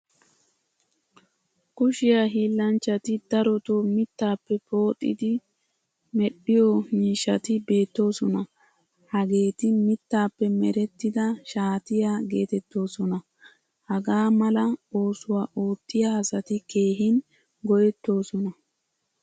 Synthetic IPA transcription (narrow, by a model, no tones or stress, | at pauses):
kʊʃɪjaɦiːlːɐnt͡ʃːɐt̪ɪd̪ɐɾɔt̪omɪt̪ːaːpːɛpo̞ːt̪ʼːɪ̰d̪ɪ | mɛɗɪjɔmiːʃːɐt̪ɪbe̞ːt̪ːo̞ːsɔnɐ | hɐɡe̞ːt̪ɪmɪt̪ːaːpːɛmɛɾɛt̪ːɪd̪ɐʃaːt̪ɪjaɡe̞ːt̪ɛt̪ːo̞ːsɔnɐ | hɐɡaːmɐlɐo̞ːsʊwaːʔoːt̪ːɪjaɐsɐt̪ɪke̞ːɦɪn | ɡɔjɛt̪ːo̞ːsɔnɐ